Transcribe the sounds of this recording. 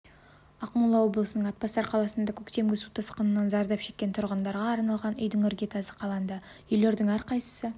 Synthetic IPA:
ɑqmɴlˠɑwo̞blˠəsənəɴɑt̪̚pɑsɑɾqʰɑlˠɑsənd̪ɑkʲʰɵkt̪e̞mɡʲɪsut̪ʰɑsqənənɑnzɑɾd̪ɑpʃe̞kʲːe̞nt̪ʰʊɾʁənd̪ɑɾʁɑːɾnɑlˠʁɑnʏ̰jd̪ɪŋɪɾɡʲet̪ɑsə̥qʰɑlˠɑnd̪ɑʏjle̞ɾd̪ɪŋæɾqʰɑjsə̥sə

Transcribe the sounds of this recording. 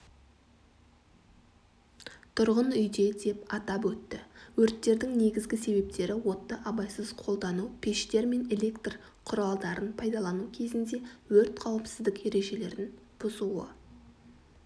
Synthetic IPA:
t̪ʰʊɾʁənʏjd̪e̞d̪e̞pɑt̪ɑpwɵt̪ːɪwɵɾt̪ːe̞ɾd̪ɪŋne̞ɡʲɪzɡʲɪse̞βe̞p̚t̪e̞ɾɪwo̞t̪ːəʔɑbɑjsəz̥qʰo̞lˠd̪ɑnupʰeʃt̪e̞ɾme̞ne̞lʲe̞kt̪r | qʰʊɾɑlˠd̪ɑɾənpʰɑjd̪ɑlˠɑnukʲʰe̞zɪnd̪e̞wɵɾt̪qʰɑwəpsɪzd̪ɪkje̞ɾe̞ʒe̞le̞ɾd̪ɪnb̥ʊzuwə̰

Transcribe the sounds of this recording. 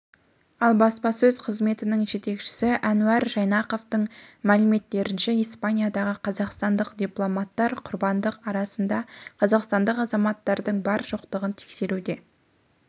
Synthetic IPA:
ɑlˠbɑspɑsɵzqʰəzme̞t̪ɪnɪŋʒe̞t̪e̞kʃɪ̥sɪʔɑnuɑɾʒɑjnɑqo̞ft̪əɴmælɪme̞t̪ːe̞ɾɪnʃeijspanʲijad̪ɑʁəqʰɑzɑqst̪ɑnd̪əqd̪ʲiplˠo̞mɑt̪ːɑɾqʰʊɾbɑnd̪əqɑɾɑsənd̪ɑqʰɑzɑqst̪ɑnd̪əqɑzɑmɑt̪ːɑɾd̪əɴbɑɾʒoqt̪əʁənt̪ʰekse̞ɾud̪e̞

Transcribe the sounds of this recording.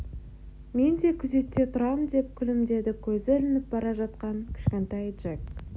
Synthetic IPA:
me̞nd̪e̞kʲʰʏze̞t̪ːe̞t̪ʰʊɾɑmənd̪e̞p̚kʲʰʏlɪmd̪e̞d̪ɪkʲʰɵzɪɪlɪnɪp̚bɑɾɑʒɑt̪̚qɑŋkʲʰɪ̥ʃkʲe̞nt̪ɑjd̪ʒek

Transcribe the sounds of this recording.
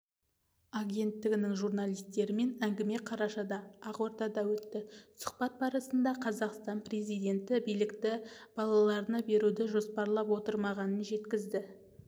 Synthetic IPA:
aɡʲe̞nt̪ːɪɡʲɪnɪŋʒuɾnalʲˠijst̪e̞ɾɪme̞næŋɡʲɪme̞qʰɑɾɑʃɑd̪ɑɑqwo̞ɾt̪ɑd̪ɑwɵt̪ːɪsʊ̥qpɑt̪̚bɑɾɑsənd̪ɑqʰɑzɑqst̪ɑnpre̞zijd̪ʲe̞nt̪ɪbijlɪkt̪ɪb̥ɑlˠɑlˠɑɾənɑbe̞ɾud̪ɪʒo̞spɑɾlˠɑpwo̞t̪əɾmɑʁɑnənʒe̞t̪kʲɪzd̪ɪ

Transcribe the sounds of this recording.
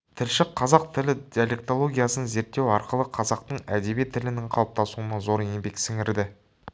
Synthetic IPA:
t̪ʰɪlʃɪqʰɑzɑq̚t̪ʰɪlɪd̪ijale̞k̚t̪o̞lˠo̞ɡʲijasənze̞ɾt̪ːe̞wɑɾqəlˠəqʰɑzɑq̚t̪əɴæd̪e̞bijt̪ʰːɪlɪnɪɴqʰɑlˠəp̚t̪ɑsuənɑzo̞ɾje̞mbe̞ksɪŋɪɾd̪ɪ

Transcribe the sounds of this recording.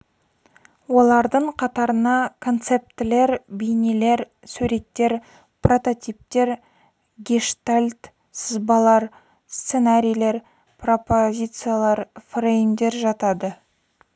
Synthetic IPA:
wo̞lˠɑɾd̪əɴqʰɑt̪ɑɾənɑkʰont̪se̞p̚t̪ɪle̞ɾbejnele̞ɾ | sʉɾe̞t̪ːe̞ɾ | pro̞t̪o̞t̪ʲijp̚t̪e̞ɾ | ɡʲeʃt̪alʲt̪ | səzbɑlˠɑɾ | st̪senaɾʲijle̞ɾ | pro̞pozʲit̪sɨjalˠɑɾfrejnd̪e̞ɾʒɑt̪ɑd̪ə

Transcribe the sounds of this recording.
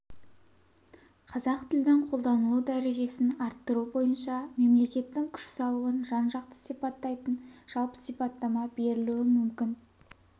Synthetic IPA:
qʰɑzɑq̚t̪ɪld̪ɪŋqʰo̞lˠd̪ɑnəlˠud̪æɾe̞ʒe̞sɪnɑɾt̪ːəɾubo̞jənʃɑme̞mle̞kʲe̞t̪ːɪŋkʲʰʏ̥ʃsɑlˠuənʒɑnʒɑq̚t̪ə̥sijpɑt̪ːɑjt̪ənʒ̥ɑlˠpə̥sijpɑt̪ːɑmɑbe̞ɾɪluɪmʏmkʲɪn

